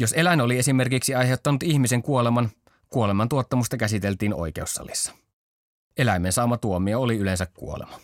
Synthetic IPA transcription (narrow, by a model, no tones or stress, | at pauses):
jose̞lænolie̞sime̞rkiksiɑjɦe̞wt̪ːɑnut̪içmise̞ŋkuole̞mɑn | kuo̞le̞mɑnt̪uot̪ːɑmust̪ɑkæsit̪e̞lt̪iːno̞̰jk̟e̞usːɑ̰lḭsːɑ̥ | e̞læjmensɑːmɑt̪uomiooliyle̞ns̬ækkṵolḛmɑ